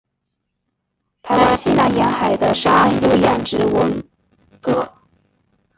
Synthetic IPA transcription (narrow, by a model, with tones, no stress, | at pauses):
t̪ʰa˧˥ɪwa˥nɕi˥˧na˧˥njɛ˧˥nxa˨˩ɪd̪ə˦ʂa˥njo˥˧ʊjɛ˧˩nʈ͡ʂɻ̩˧˥wə˧˥n | kɤ˥˩